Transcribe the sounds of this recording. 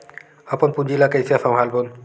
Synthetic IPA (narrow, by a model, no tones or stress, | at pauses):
apɔnpud͡ʒilakəjsiasãw̃ɦalbɔn